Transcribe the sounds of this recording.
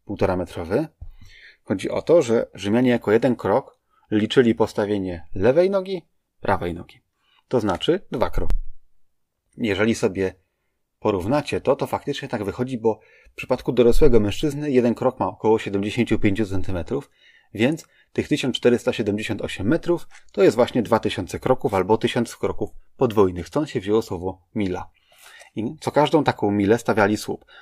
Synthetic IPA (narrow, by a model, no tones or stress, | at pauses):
puwt̪ɔɾamɛt̪ɾɔvɛ | xɔd͡ʑiʔɔ̰t̪ɔʐɛʐɘmʲjaɲɛjakɔjɛd̪ɛnkɾɔk | lʲit͡ʂɘlʲipɔst̪avʲjeɲɛlɛvɛjnɔɡʲi | pɾʔa̰vɛjnɔ̰ɡʲi | t̪ɔznat͡ʂɘd̪va̰kɾɔ̰k | jɛʐɛlʲisɔbʲjɛ | pɔɾuvnat͡ɕɛt̪ɔt̪ɔfak̚t̪ɘt͡ʂɲɛt̪aɡvɘxɔd͡ʑibɔ | fpʂɘ̥pat̪kud̪ɔɾɔswɛɡɔmɛ̃ʂt͡ʂɘznɘjɛd̪ɛnkɾɔkmaɔkɔwɔɕɛd̪ɛmd͡ʑeɕeɲt͡ɕupʲjeɲt͡ɕut̪sɛnt̪ɘmɛt̪ɾuf | vʲjɛnt̪s | t̪ɘxt̪ɘɕɔnt͡ʂːt̪ɛɾɘst̪aɕɛd̪ɛmd͡ʑeɕɔnt̪ɔɕɛmːɛt̪ɾuft̪ɔjɛst̪vwaɕɲɛd̪vat̪ɘɕɔnt̪sɛkɾɔkufalbɔt̪ɘɕɔnt̪skɾɔkufpɔd̪vujnɘxst̪ɔnt̪ɕɛvʑewɔswɔvɔ | mʲila̰ | it̪sɔkaʐd̪ɔ̃w̃t̪akɔ̃w̃mʲilɛst̪avʲalʲiswṵp